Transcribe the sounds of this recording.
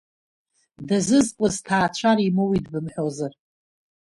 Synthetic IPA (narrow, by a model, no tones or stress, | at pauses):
dazɨzqʼɨztʰaːt͡ʃʷʰaɾimowidbɨmħʷᶣozar